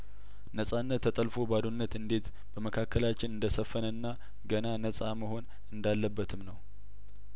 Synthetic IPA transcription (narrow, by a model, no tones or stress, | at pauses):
nəsʼanːət̪ʰːət̪ʼəlfo̞bad̪onːət̪ɨnd̪e̞t̪ | b̥əməkʰakːəlat͡ʃːɪnɨnd̪əsəfːənənːa | ɡənanəsʼaməho̞n | ɨnd̪alːəbːət̪ʰɨmnəw